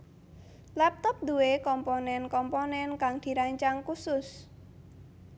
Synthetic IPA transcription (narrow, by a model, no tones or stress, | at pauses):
lɛp̚t̪ɔp̚d̪uwekɔmponɛnkɔmponɛnkaŋd̪̥i̤ɾaɲt͡ʃaŋkusʊs